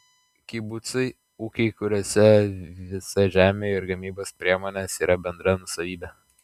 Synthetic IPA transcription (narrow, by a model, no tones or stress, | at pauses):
kʲibʊt̪sɐɪ | uːkʲɛɪkʊɾʲoːsʲɛʋʲɪsɐʒʲæːmʲeːɪɾɡɐmʲiːboːspʲɾʲiɛmoːnʲeːsiːɾɐbʲɛnd̪ɾɐnʊsɐʋʲiːbʲɛ